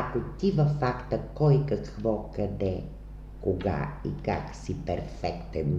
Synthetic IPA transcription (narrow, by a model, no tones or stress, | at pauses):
ɐkot̪ivɐfakt̪əkɔjkɐkvɔkɐd̪ɛ | koɡa̰ḭka̰ksipɛɾfɛkt̪ɛn